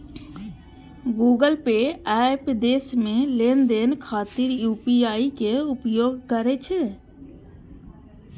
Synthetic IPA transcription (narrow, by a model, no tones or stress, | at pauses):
ɡuːɡəlpeɛpd̪eːsmẽleːnd̪eːnkʰaːt̪iɾjuːpiaːikeʊpjoːɡkəɾet͡ʃʰe